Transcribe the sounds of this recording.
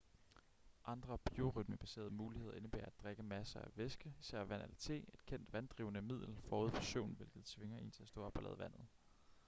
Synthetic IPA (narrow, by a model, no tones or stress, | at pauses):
ʔɑ̈nd̥ʁɐb̥io̝ʁyd̥̚məb̥æse̝̰ːɐð̩ˠmuːlihe̝ðˠɐʔe̝nəb̥ḛːɐædd̥ʁeɡ̥əmæsɐæʋesɡ̥əisæɐ̰ʋæn̰ʔælɐt͡sʰe̝̰ːe̝d̥̚kʰen̰d̥ʋænd̥ʁḭːʊənəmið̞̰ˠl̩fɒːuð̞̰ˠʋɒsøʊ̰nʋe̝lɡ̥ð̩ˠt͡sʰʋe̝ŋɐe̝̰ːnt͡sʰe̝læsd̥ɔ̰̽ːɒ̽b̥ɒlɛːðˠʋæn̰ð̩ˠ